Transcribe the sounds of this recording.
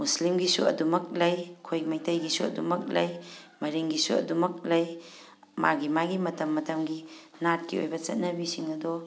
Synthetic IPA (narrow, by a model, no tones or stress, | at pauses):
muslimɡisṵɐ̰dumɐk̚lɐjkʰojkmɐjtʰɐjɡisuɐ̰dumɐk̚lɐ̰jmɐɾiŋɡisuɐ̰dumɐk̚lɐj | maɡimaɡimɐtɐmːɐtɐmɡinat̚kio̰jbɐt͡ʃɐt̚nɐbisiŋɐdɔ